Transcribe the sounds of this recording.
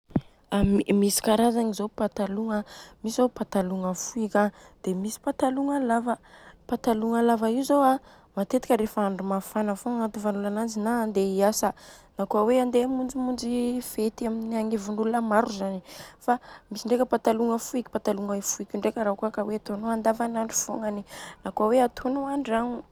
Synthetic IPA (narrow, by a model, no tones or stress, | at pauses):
aimisi̥kaɾazaŋizopat̪aluŋəmisizopat̪aluŋəfuikʲad̪̥emisi̥pat̪aluŋalavəpat̪aluŋalavaiuzoa | mat̪et̪i̥kʲəɾefəaɳɖ͡ʐimafanəfoŋat̪uvanulanand͡zinaːnd̪eiasanakuaweand̪emund͡zimund͡zifet̪iaminiaŋivuɳɖ͡ʐulunəmaɾuzanifamisiɳɖ͡ʐekʲəpat̪aluŋəfuiki̥pat̪aluŋaifuikʲiɳɖ͡ʐekʲəɾakuakaweat̪onoand̪avanaɳɖ͡ʐi̥fo̰ŋaninakuaweat̪ʰonoaɳɖ͡ʐaŋu